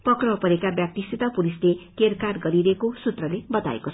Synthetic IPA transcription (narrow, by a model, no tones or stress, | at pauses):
pʌkrʌpʌɾekabjak̚t̪isit̪ʌpulislekerkarɡʌɾiɾʌekosut̪rʌlebʌt̪a̰ḛkot͡sʰ